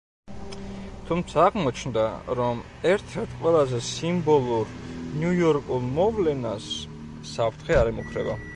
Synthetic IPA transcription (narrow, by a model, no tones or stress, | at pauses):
t̪ʰumt̪sʰaːʁmɔt͡ʃʰnd̪aɾɔm | ɛɾt̪ʰɛɾt̪ʰqʼwɛlˠazɛsimbɔlˠuɾnjujɔɾkʼulˠmɔvlɛnasː | apʰɾt̪ʰχɛaɾɛmukʰɾɛ̰ba